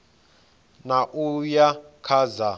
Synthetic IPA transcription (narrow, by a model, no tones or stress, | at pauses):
naʔujakʰaza